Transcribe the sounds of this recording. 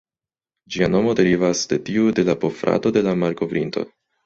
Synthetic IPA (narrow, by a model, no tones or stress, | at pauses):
d͡ʒiano̞mo̞de̞ɾivasde̞tiude̞lapo̞fɾa̰to̞de̞lamaɾko̞vɾinto̞̰